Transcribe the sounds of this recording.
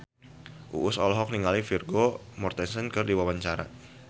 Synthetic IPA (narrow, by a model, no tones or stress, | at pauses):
ʔṵʔʊsɔlɦɔk̚niŋalifirɡo | mɔrt̪ɛsənkərdiwawaɲt͡ʃaɾa̰